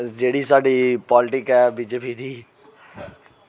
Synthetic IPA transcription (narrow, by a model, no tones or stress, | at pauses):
d͡ʒeːɽisaːɖipɔːlɪʈɪkɦɛbiːd͡ʒepit̪ʰiː